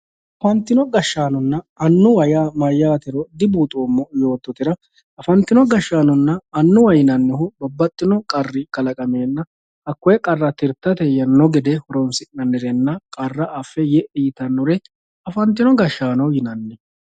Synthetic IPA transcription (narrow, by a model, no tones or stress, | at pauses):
ʔɐfɐnt̪ːɪnɔɡɐʃːaːnɔnːɐɐnːʊwɐjamɐjːaːt̪ɛɾɔd̪ɪbuːt̪ʼoːmːɔjo̞ːt̪ːɔt̪ɪɾɐ | ɐfɐnt̪ːɪnɔɡɐʃːaːnɔnːɐɐnːʊwɐjɪnɐnːɛhʊbɐbːɐt̪ʼːɪnɔkʼɐrːɪkɐlɐkʼɐmeːnːɐ | ɐkːɔjɛkʼɐrːɐt̪ɪɾt̪ːɐt̪ɛjɐnːɔɡɪd̪ɛhɔɾɔnsɪʔnɐnːɛɾɛnːɐkʼɐrːɐʔɐfːɛjɛʔɪjt̪ɐnːɔɾɛ | ɐfɐnt̪ːɪnɔɡɐʃːaːnɐwjɪnɐnːɛ